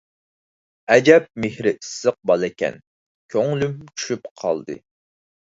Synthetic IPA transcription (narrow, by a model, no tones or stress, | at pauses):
ɛd͡ʒɛp̚mehɾɪʔisːəq̚bɑlˠɛkʲɛ̰n | kʲʰøŋlymt͡ʃʰy̥ʃypqʰɑ̰lˠd̪ɨ̰